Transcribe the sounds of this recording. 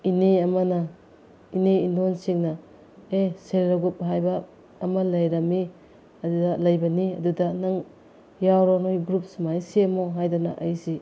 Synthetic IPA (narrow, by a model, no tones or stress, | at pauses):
ineɐmɐnɐ | ineindonsiŋnɐ | eselɾɐɡup̚ɦajbɐː | mɐlɐjɾɐmi | ɐdudɐlɐjbɐniɐdudɐnɐŋ | jawɾonojɡɾup̚smajsemoɦajdanɐʔɐjsi